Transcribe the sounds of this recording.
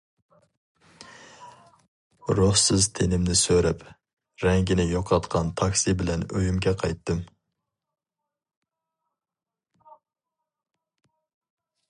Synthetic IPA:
ɾoχsɨzt̪ʰenɪmnɪsøɾɛp | ɾɛŋɡʲɪnɪjoqʰɑt̪qʰɑnt̪ʰɑkʲsibɪlɛnøjymɡʲɛqʰɑjt̪ːɨm

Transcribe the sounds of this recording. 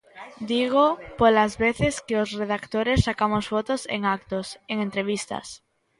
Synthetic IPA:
d̪iɣ̞opolazβeθe̞skeosre̞ðakt̪oɾe̞sːakamozfot̪osḛŋak̚t̪ose̞ŋent̪ɾe̞β̞ist̪a̰s

